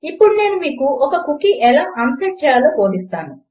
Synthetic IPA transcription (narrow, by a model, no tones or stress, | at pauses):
ipːuɽune̞ːnumiːkuɔkɐkukiʔɛlaːʔɐmpɐt͡ʃaaloːkoːd̪ist̪aːnu